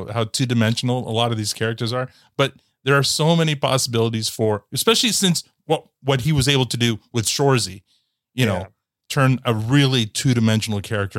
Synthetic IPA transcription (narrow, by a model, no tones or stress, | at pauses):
haʊtʰʉdɨmɛ̃nʃn̩l̩ˠə̰lɔɾʌvðiz̥kʰɛɹɨk̚tə˞zə˞ | b̥ʌt̪̚ | ðə˞ːsoʊmɛñipʰɑ̰səbɪlˠəɾiz̥fə˞ɨspɛʃl̩ˠisɪ̃ns | wʌt̚wʌt̚hiwʌzeɪbl̩ˠtʰɨdɨwɨð̥ʃɔɹzi | jɨnoʊ | tʰɜ̃˞nəɹɪlˠitʰʉɾɨmɛ̃nʃn̩l̩ˠkʰɛɹɨk̚tʰə˞